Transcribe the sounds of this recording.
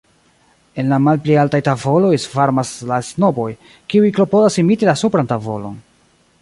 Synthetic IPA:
e̞nlamalplealtajtavo̞lo̞jsfaɾmaslasno̞bo̞j | kiujklo̞podasimitilasupɾantavo̞̰lo̞̰n

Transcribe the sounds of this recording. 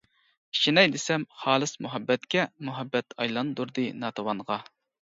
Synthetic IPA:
iʃinɛjd̪esɛmχɑːlˠɨsmuɦɛbːɛt̪kʲɛmuɦɛbːɛt̪ʰɑjlˠɑnd̪uɾd̪ɨnɑt̪ʰowɑnʁɑ

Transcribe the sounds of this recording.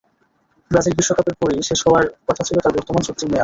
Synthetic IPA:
bɾad͡ʑilbiʃːokapeɾpoɾiʃeʃɦɔaɾkɔtʰat͡ɕʰilot̪aɾbɔɾt̪omanʃot̪ːɾimea

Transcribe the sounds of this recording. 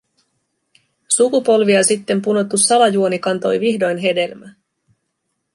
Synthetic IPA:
sukupo̞lʋiɑsit̪ːe̞mpuno̞t̪ːusɑlɑjuonikɑnt̪o̞jʋihdo̞jnɦe̞de̞lmæ

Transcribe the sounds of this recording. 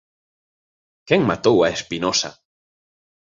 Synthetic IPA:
kɛŋmat̪owaespinɔsa̰

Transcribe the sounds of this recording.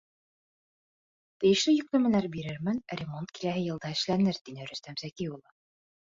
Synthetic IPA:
t̪ɘ̆jɘ̆ʃlɘjɘ̆k̚lɘ̆mɘ̆læɾbiɾɘɾmɘnɾʲɪmont̪kilæɦɘjɤ̆lˠd̪ɑɘ̆ʃlænɘɾt̪inɘɾɵ̆st̪æmsækiulˠɤ

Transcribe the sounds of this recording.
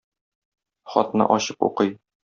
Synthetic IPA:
χɒ̰t̪nɤ̰ʔɒɕɤpṵqɤj

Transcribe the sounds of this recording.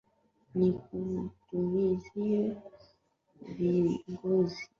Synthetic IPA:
nik̚utumiziɛ | viŋɡozi

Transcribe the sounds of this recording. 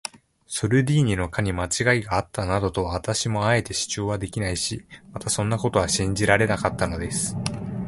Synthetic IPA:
soɾɯ̟d̪ʲiːɲ̟ino̞kʰaɲ̟imat͡ɕiɡaiɡaːt̪ːanad̪o̞t̪o̞βaβ̞at̪aɕimo̞ae̞t̪e̞ɕi̥t͡ɕo̞ːβad̪e̞kʲinaiɕimat̪asõ̞nːako̞t̪o̞βaɕĩɲ̟d͡ʑiɾaɾe̞nakat̪ːano̞d̪e̞sɨ̥

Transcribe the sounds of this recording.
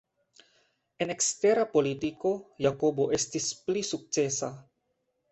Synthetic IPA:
ʔɛnɛkst̪ɛɾapolit̪ikojakoboʔɛst̪isplisuk̚sesa

